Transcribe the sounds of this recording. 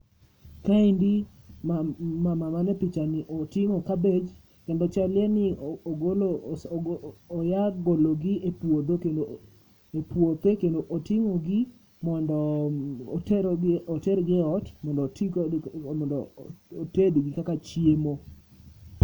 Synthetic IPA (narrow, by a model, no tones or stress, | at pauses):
kaindi | mamamamanɛpɪt͡ʃanɪʔɔtɪŋɔkabed͡ʒ | kɛndɔt͡ʃaljɛnɪɡol | jaɡoloɡɪepwod̪okendo | epwot̪ekendoʔotɪŋɔɡi | mɔndɔ | tɛɾɡɔtɛɾɡɪɔtmɔndɔtiɔndɔotedɡɪkakat͡ʃjemo